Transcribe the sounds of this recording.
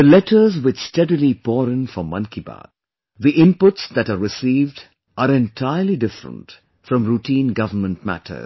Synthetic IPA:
əlɛʈʰəzwɪt͡ʃsʈɛdilipɔːɾɪ̃nfɔmːʌ̃nkiba̰ːd̚ | ðiʔɪ̃mpʊʈsd̪æʈaɾɾɪsiːvɖ | ʔaːɾɛ̃ntʰaɪəliɖɪfɾə̰̃nt | fɾɔ̃mɾuʈĩːnɡʌvənmə̃nt̚mæ̰tʰə̰z

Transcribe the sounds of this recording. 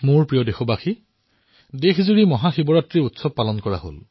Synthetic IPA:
mʊɹpɹijɔdexɔbaxi | dexʰzuɹimɔɦaxibɔɹatɹiɹutsɔb̚palɔnkɔɹa̰ɦo̰l

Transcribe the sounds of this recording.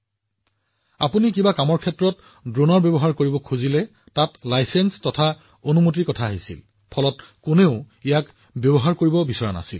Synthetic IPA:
a̰punikibakamɔɹkʰɛtɹɔt | dɹonɔɹbɔbɔɦaɹkoɹibɔkʰuzilɛ | tatlajsenstɔtʰa | onumut̬ikɔtʰaːɦisḭl | pʰɔlɔtkʊneʊ | ijak | bjɔbɔɦaɹkoɹibɔbisɔɹana̰sil

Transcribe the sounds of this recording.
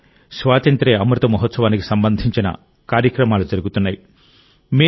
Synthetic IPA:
sʋaːt̪ɐnt̪ɾeːɐmɾɐt̪ɐmɐɦɔt̪sɐʋaːniki̥sɐmbɐnd̪ʱiɲt͡ʃinɐ̰ | kaːɾjɐkɾɐmaːlud͡ʒɐɾuɡut̪unːaːji | meː

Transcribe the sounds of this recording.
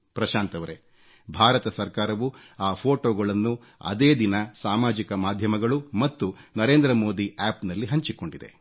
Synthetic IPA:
pɾɐʃaːnt̪ɐʋɐɾe | bʱaːɾɐt̪ɐsɐɾkaːɾɐʋu | aːpʰoːʈoːɡɐɭɐnːu | ɐ̰d̪eːd̪inɐsaːmaːd͡ʒikɐmaːd̪ʱjɐmɐɡɐɭumɐt̪ːunɐɾe̞ːnd̪ɾɐmo̞ːd̪iaːpnɐlːiɦɐɲt͡ʃiko̞ɳɖid̪e̞̰

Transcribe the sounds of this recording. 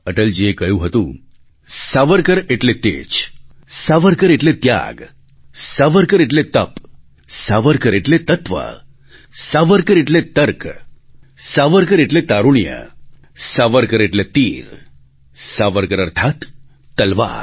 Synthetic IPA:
əʈəld͡ʑekəjũɦət̪ṵ̃ | saʋəɾkəɾeʈlet̪ḛt͡ɕ | saʋəɾkəɾeʈlet̪ja̰ɡ | saʋəɾkəɾeʈ̬let̪ə̰p | saʋəɾkəɾeʈlet̪ət̪ʋa̰ | saʋəɾkəɾeʈlet̪əɾk | saʋəɾkəɾeʈlet̪aɾuɳjə̰ | saʋəɾkəɾeʈlet̪iːɾ | saʋəɾkəɾəɾt̪ʰat̪ː | əlʋa̰ɾ

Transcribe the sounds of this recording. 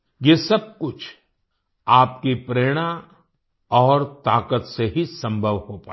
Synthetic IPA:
jesɐb̚kʊt͡ʃʰ | aːpkipɾeːɽ̃a | ɔːɾt̪aːkət̪seɦisɐ̃mbʱəʋhopa̰ː

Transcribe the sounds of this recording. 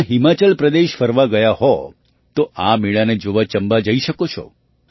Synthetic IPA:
ɦimat͡ʃəlpɾəd̪eʃfəɾʋaɡəjaɦɔ | t̪oʔamiɭaned͡ʒoʋat͡ʃəmbad͡ʒəiʃəkot͡ʃʰɔ̰

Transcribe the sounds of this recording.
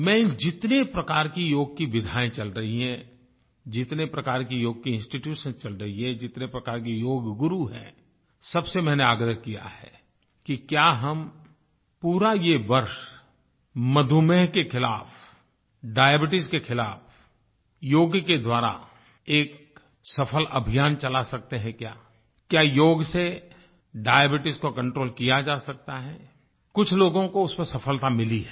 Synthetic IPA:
mɛ̃d͡ʒɪt̪nepɾɐkaːɾkijoːɡ̚kiʋɪd̪ʱaːẽt͡ʃɐlɾɐɦiɦɛ̃ | d͡ʒɪt̪nepɾɐkaːɾkijoːɡ̚kiɪ̃nsʈiʈjuːʃə̃nt͡ʃɐlɾɐɦiɦɛ̃d͡ʒɪt̪nepɾɐkaːɾkijoːɡɡʊɾuɦɛ̰̃ | sɐbsemɛ̃ːneaːɡɾəɦkija̰hɛ̰ː | kikjaːɦɐm | puːɾajeʋɐɾʃ | mɐd̪ʱumeɦkexɪlaːf | ɖaːjebɪʈɪskexɪlaːf | joːɡked̪waːɾa̰ | eːk | sɐfʰəlʔɐbʱijaːnt͡ʃɐlasɐk̚t̪eɦɛ̃kjaː | kjaːjoːɡse | ɖaːebɪʈɪskokɐ̃ɳʈɾoːlkijad͡ʒaːsɐk̚t̪aɦɛː | kʊt͡ʃʰloːɡõkoʊspəsɐfʰəlt̪amɪliɦɛ

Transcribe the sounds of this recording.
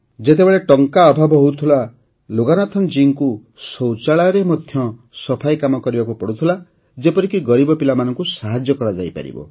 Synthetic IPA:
d͡ʒet̪ebeɭeʈɔŋkaɔbʱabʱɔɦowt̪ʰula | loɡanat̪ʰɔnd͡ʒiŋku | sɔwt͡ʃaɭaɾemɔd̪ʱjɔ | sɔpʰajkamɔkɔɾibakupɔɽut̪ʰila | d͡ʒepɔɾikiɡɔɾibɔpilamanɔŋkusaɦad͡ʒjɔkɔɾad͡ʒa̰jpa̰ɾḭbɔ̰

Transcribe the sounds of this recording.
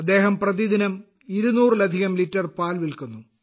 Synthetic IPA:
ɐd̪ːe̞ːɦɐmprɐðid̪inɐm | iɾunuːrɨlɐd̪ʱiɣɐmlitːɐrpaːlʋilkunːu

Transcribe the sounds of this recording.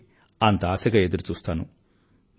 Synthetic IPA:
ant̪aːsɐɡɐed̪uɾut͡ʃuːst̪aːnṵ

